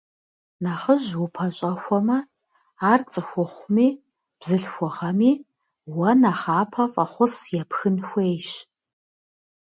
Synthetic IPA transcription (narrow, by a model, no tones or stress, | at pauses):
naχəʑwʊpʰɐɕʼɐxʷɔmɐ | aːrt͡sʼɨxʷʊχʷʊmiː | b̥zɨɬxʷɔʁɐmiː | wɐnaχaːpʰɐfʼɐχʷʊsjɛpxɨnxʷejɕ